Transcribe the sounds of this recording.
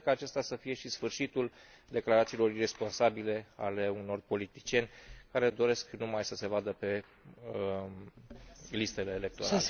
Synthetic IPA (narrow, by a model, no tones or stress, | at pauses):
kəːt͡ʃe̞st̪asəfije̞ʃisfɨrʃit̪ul | d̪e̞klaɾat̪siːlo̞rire̞spo̞nsabile̞a̰le̞uno̞rpo̞lit̪i̥t͡ʃie̞nʲkaɾe̞d̪o̞ɾe̞sknumajsəse̞vad̪əpe̞ | list̪e̞le̞ːle̞k̚t̪o̞̰ɾa